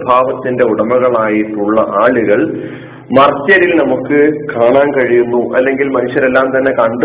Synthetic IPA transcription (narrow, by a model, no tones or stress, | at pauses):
bʱaːʋɐt̪ːinde̞uɽɐmɐɣɐɭaːjiʈːuɭːɐʔaːɭuɣɐɭ | mɐrt͡ɕːjɐɾilnɐmukːɨkaːɳaːnkɐɻijunːuʔɐ̰lːe̞ŋɡilmɐnuʂjɐɾe̞lːaːmt̪ɐnːe̞kɐɳɖ